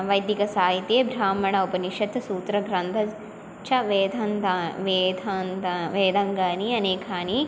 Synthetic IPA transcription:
ʋɐjd̪jikɐsaːjit̪eːbʱɾaːmɐɳɐupɐniʃɐt̪ːɐsuːt̪ɾɐɡɾɐnd̪ʰʱɐ | t͡ʃʰɐʋeːd̪ʱɐnd̪ʋed̪anʋeːd̪ɐŋɡaːniɐneːkʰaːni

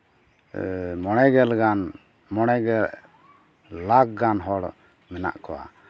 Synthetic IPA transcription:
mɔɽ̃ɛɡɛlɡan | mɔɽ̃ɛɡɛl | laɡ̚ɡanɦɔɽ | mɛna̰ʔkɔwa̰

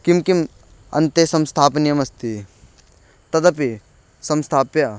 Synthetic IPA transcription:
kimkim | ɐ̰nt̪esɐmst̪ʰaːpɐnijɐmɐst̪i | t̪ɐd̪ɐpi | sɐmst̪ʰaːpjɐ

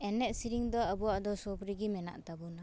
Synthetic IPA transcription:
ɛnɛʔ̚siɾiŋd̪ɔabuwaʔd̪ɔsɔbɾiɡimɛna̰ʔt̪abɔna

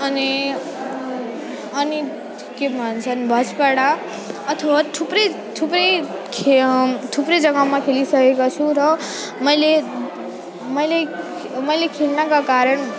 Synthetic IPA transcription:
ʌni | ʌni | kebʱʌnt͡sʰʌnbʱʌspaɽa | ʌt̪ʰʌwat̪ʰuprʌj | t̪ʰuprʌjkʰet̪ʰupɾʌd͡zʌɡamakʰelisʌkekot͡sʰũɾʌ | mʌjle | mʌjle | mʌjlekʰelnʌkakaɾʌn

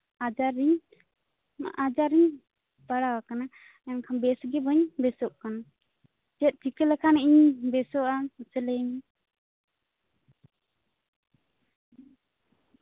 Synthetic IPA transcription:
ad͡ʒaɾiɲ | ʔad͡ʒaɾiɲ | baɽawakana | ɛnkʰambɛsɡɛbɔɲbɛsɔʔkana | d͡ʒɛt̪̚ˀt̪ʰikɛlɛkʰaniɲbɛsɔʔasɛlɛɲ

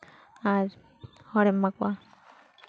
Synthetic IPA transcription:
aɾ | hɔɾɛmːakwa

